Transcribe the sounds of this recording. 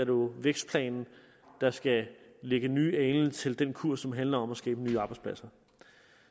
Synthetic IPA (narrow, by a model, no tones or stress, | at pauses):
æɐdo̝ʋeɡ̥sd̥̚pʰlɛ̰ːnn̩ | d̥ɑ̈sɡ̥æleɡ̥ənyːɛɪn̩t͡sʰe̝ld̥enkʰuɐ̰sɒ̽mɦænlɐɒ̽mæsɡ̥ɛːb̥ənyːɑ̈ːb̥ɪdspʰlæsɐ